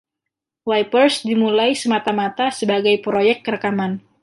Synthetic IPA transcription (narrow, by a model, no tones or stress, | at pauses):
wajpərsdimulajsəmat̪amat̪asəbaɡajpɾojɛk̚ːəɾəkaman